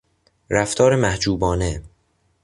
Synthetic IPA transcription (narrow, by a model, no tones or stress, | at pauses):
ɾæft̪ʰɒːɾemæhd͡ʒuːbɒːne